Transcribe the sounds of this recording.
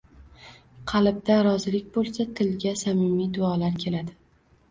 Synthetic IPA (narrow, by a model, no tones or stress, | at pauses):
qʰɑlˠɪb̚d̪aɾɒzɪlɪkʲbolˠsat̪ʰɪlɡʲasamɪmid̪ʊɒlaɾkʲʰe̞lad̪ɪ